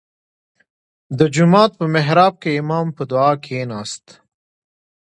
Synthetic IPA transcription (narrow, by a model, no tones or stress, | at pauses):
d̪əd͡ʒumɑːt̪̚pəmeɦɾɑːb̚keɪmɑːmpəd̪ʊɑːkʰenɑːst̪